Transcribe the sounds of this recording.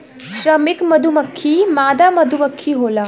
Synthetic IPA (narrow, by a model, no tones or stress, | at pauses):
ʃɾɐmikmɐd̪ʱumɐkʰːimaːd̪amɐd̪ʱumɐkʰːiɦoːla